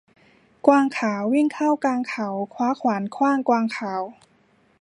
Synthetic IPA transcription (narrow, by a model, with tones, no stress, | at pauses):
kwaː˧ŋkʰaː˩˦wːi˥˩ŋkʰa˥˩wkaː˧ŋkʰa˩˦wkʰwaː˦˥kʰwaː˩˦nkʰwaː˥˩ŋkwaː˧ŋkʰaː˩˦w